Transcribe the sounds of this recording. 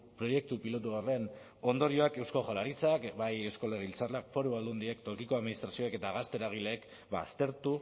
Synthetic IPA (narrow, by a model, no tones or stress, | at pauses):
pɾo̞je̞k̚t̪upilo̞t̪̬uore̞n | o̞nd̪o̞ɾio̞ake̞wsko̞ʝolaɾit͡sakbajewsko̞leɣilt͡sarlakfo̞ɾuβald̪und̪iekt̪o̞kiko̞aðminist̪ɾasioeke̞t̪aɣast̪e̞ɾaɣ̞ileːk | ba̰st̪e̞ɾt̪u